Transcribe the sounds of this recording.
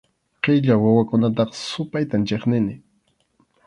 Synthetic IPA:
qeʎawawakʊnat̪̬ɑχsʊpajt̪ant͡ʃeχnɪnɪ

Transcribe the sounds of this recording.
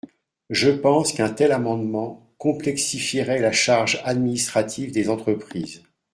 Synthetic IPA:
ʒəpɑ̃skɛ̃t̪ɛlamɑ̃d̪mɑ̃ | kɔ̃plɛksifiʁɛlaʃaʁʒad̪minist̪χat̪ʰivd̪ezɑ̃t̪χəpχiːz

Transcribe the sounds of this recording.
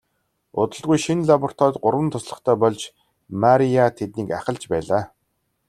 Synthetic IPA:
ʊt̪ə̆ɮʁujʃinɮapɔr̥t̪ʰɔːt̪ɢʊɾwə̆nt̪ʰʊsɮə̆χt̪ʰæːpɔɮt͡ɕ | maɾiat̪ʰet̪̚niːkaχə̆ɮt͡ɕpæːɮaː

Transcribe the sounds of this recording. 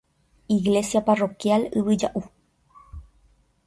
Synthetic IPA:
iɣle̞sjaparo̞kjalɨʋɨd͡ʒaʔu

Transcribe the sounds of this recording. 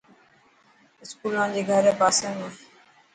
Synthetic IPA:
ɪskuːlãːnd͡ʑeːɡʱəɾɛːpaːsẽːnẽ

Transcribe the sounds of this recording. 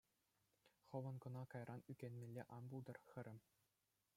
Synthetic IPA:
χɤ̆ʋɤ̆nkɤ̆nɑkɑjrʔɑnykʲenʲmʲelʲːeʔɑnbulˠd̪ɤ̆rxɘ̆ɾʲɘ̆mʲ

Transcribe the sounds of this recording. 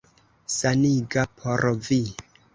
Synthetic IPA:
saniɡapʰoɾvi

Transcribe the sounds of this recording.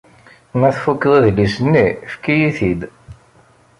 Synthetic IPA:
mæθfukːðˤæðlisənːifkijiθid̪

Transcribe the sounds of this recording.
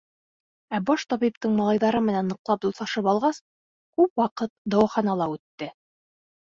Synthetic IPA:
æbɑʃt̪ɑβip̚t̪ɤɴmɑlˠɑjðɑɾɤmɘ̆nænːɤ̆qlˠɑp̚d̪ulsɑʃɤpɑlˠʁɑs | kʉpwɑqɤt̪̚d̪ɑwɑχɑnɑlˠɑʉt̪ːɘ

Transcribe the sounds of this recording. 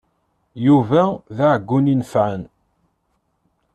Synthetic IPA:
juvæðaʕəɡːuninfʕən

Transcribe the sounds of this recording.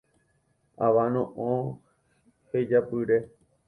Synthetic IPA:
aʋanõʔõ | hed͡ʒapɨɾe

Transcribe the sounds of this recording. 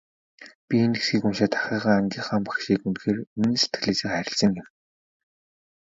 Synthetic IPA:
pʲienesxiːkumʃaːt̪ḁχʲəːʁaːant͡ɕiːχaːmpḁxʃiːkunxeːrinɘ̆nse̥t̪ɘ̥̆ɘɮeːsiːkχæɾʲɪ̆ɬsə̆ŋɡɪm

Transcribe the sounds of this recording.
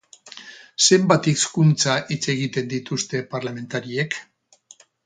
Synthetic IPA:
se̞mbat̪ikskunt͡saʔit͡se̞ɣ̞it̪e̞nd̪it̪ust̪e̞paɾlame̞nt̪aɾiek

